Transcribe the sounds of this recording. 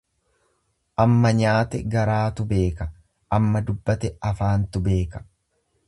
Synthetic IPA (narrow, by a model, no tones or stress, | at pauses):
ʔɐmːɐɲaːt̪ɛɡɐɾaːt̪ʊbe̞ːkɐ | ʔɐmːɐd̪ʊbːɐt̪ɛɐfaːnt̪ʊbe̞ːkɐ̥